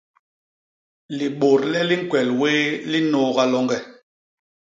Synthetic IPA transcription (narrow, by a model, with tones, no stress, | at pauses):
li˨ɓo˨ɾlɛ˦li˦ŋ̩˦˨kwɛ˨lweː˦li˦nɔː˦ɣa˦lɔ˦ŋɡɛ˨